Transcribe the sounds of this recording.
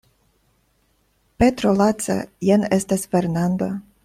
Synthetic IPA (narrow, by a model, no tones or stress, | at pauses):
pet̪ɾolat̪sa̰jenest̪asfeɾnand̪o̰